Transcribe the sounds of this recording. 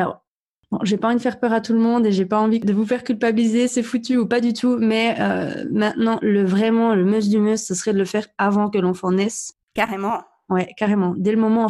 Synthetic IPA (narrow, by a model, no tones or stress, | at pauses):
alɔ̰ːʁ | bɔ̰̃ʒepaɑ̃vid̪əfɛʁpœʁat̪ulmɔ̃d̪eʒepaɑ̃vid̪əvufɛʁkʲylpabilizesɛfut̪yupad̪yt̪ʰumɛø̰mɛ̃t̪nɑ̃ləvʁɛmɑ̃ləmøs̬d̪ymœsːəsəχɛd̪ələfɛʁavɑ̃k̬əlɑ̃fɑ̃nɛs | kaʁemɑ̃ | wɛkaʁemɑ̃d̪ɛləmɔmɑ̃